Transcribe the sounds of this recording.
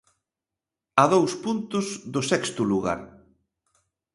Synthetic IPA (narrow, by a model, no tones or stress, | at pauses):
aðowspunt̪ʊzðʊsɛkst̪ʊluɣa̰ɾ